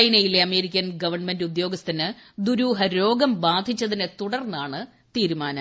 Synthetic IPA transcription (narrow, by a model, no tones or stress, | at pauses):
jnɐjileɐme̞ːɾikʲːɐnɡɐʋɐrɳmendɨud̪jo̞ːɡɐst̪ʰɐnɨd̪uɾuːɦɐɾo̞ːɡɐmbaːd̪ʱit͡ɕːɐðinet̪uɽɐrnːaːɳɨ | t̪iːɾumaːnɐ